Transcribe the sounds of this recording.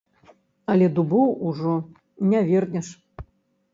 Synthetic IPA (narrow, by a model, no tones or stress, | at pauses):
ɐlʲɛd̪ubɔwuʐɔ | nʲavʲɛrnʲɛʂ